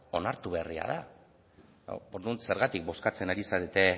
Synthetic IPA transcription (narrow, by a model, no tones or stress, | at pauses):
o̞naɾt̪uβe̞ria̰ða | oɾðunse̞ɾɣat̪ik̚bo̞skat͡se̞naɾisaðet̪e̞